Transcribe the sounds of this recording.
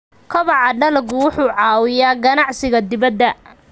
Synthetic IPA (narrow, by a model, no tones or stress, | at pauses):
kʰɐβɑʕɑɖɐlɐɡʊwʊħuːʕɑːwɪjaːɡɐnɑʕsɪɣɐd̪ɪβɐd̪ːɐ